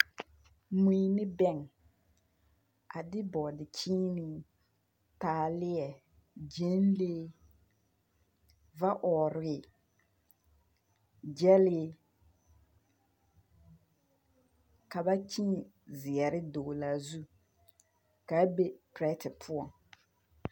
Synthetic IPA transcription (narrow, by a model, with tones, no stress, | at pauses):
mu˨i˨nɪ˦bɛ˦˨ŋ | a˨dɪ˦bɔ˨dɪ˨t͡ʃiː˦nɪ˦ | taː˨lɪ˦ɛ˨ | d͡ʒe˦n˦leː˦ | va˦ʔɔː˨ɾɪː˦˨˦ | d͡ʒɛ˦lɪ˦ | ka˨ba˦t͡ʃi˦˨ | zɪ˨ɛ˨ɾɪ˦doː˨la˨zu˦ | ka˨˦be˦pɾɛ˦tɪ˨pʰʊ˦ɔ˨ŋ